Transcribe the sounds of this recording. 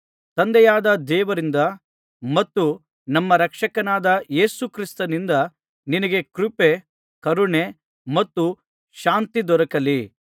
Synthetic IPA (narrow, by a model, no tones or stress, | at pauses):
t̪ɐnd̪ɛjaːd̪ɐd̪ɛːʋɐɾind̪ɐ | mɐt̪ːu | nɐmːɐɾɐkʂɐkɐnaːd̪ɐje̞ːsukɾist̪ɐnind̪ɐ | ninɐɡe̞kɾupe | kɐɾuɳe | mɐt̪ːu | ʃaːnt̪id̪ɔɾɐkɐli